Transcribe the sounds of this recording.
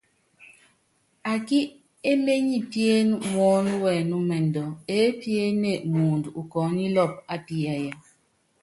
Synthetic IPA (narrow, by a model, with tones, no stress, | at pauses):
a˨ki˦ | e˦le˦ɲi˦˨tje˦nmɔ˨˦n˦wɛ˨nu˦mɛ˨ndɔ˨e˦pje˦ne˦˨muː˨ndu˨kɔ˨˦ni˦lɔ˦˨p̚a˨ti˨ja˨ja˦